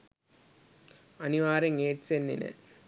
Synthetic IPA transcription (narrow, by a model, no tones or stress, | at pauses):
ɐnɪʋaːɾɐŋeːʈsend̪ḭnɐ̰